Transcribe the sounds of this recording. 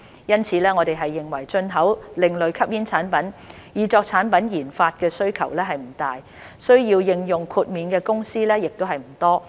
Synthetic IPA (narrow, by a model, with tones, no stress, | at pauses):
jɐ˥nt͡sʰiː˨˧lɛː˥ŋɔː˨˧t̪e˨jɦɐ˨jːɪ˨ŋwɐ˨˩jt͡ʃɵ˧nɦɐ˨˥wlɪ˨ŋlɵ˨ɥkʰɐ˥p̚jiː˥nt͡sʰaː˨˥npɐ˨˥n | jiː˨˧t͡sɔː˧k̚t͡sʰaː˨˥npɐ˨˥njiː˨˩nfaː˧t̚kɛː˧sɵ˥ɥkʰɐ˨˩wlɛː˥ɦɐ˨jm̩˨˩t̪aː˨˩j | sɵ˥ɥjiː˧wjɪ˧ŋjʊ˨ŋkʰuː˧t̚miː˨nkɛː˧kʊ˥ŋsiː˥lɛː˥jɪ˨k̚t̪o˥wɦɐ˨jm̩˨˩t̪ɔː˥